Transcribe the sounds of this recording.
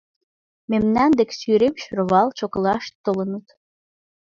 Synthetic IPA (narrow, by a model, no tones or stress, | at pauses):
memnænd̪eksyɾemʃɾəβɑlt͡ɕoklɑʃt̪ːolənət̪